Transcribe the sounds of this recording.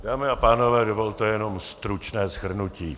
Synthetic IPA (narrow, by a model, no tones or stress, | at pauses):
daːmɪapaːno̞vɛːdovolt̪ojɛno̞mst̪ɾut͡ʃnɛːsxhr̩nuciː